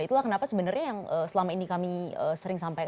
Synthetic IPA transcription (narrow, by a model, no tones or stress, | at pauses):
it̪ulahkənapasəbənərɲajaŋəsəlamainikamiə̰ːsəɾɪŋs̬ampajk